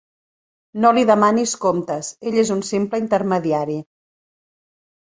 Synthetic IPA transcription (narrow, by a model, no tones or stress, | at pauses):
noliðəmaniskomt̪əseʎezunsimpləint̪əɾməðiaɾi